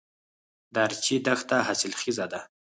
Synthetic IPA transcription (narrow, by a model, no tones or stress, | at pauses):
d̪aɾt͡ʃid̪axt̪aɦasɪlxizad̪a